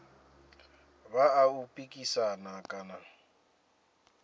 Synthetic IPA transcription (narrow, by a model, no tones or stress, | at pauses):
baaupʼikʼisanakʼana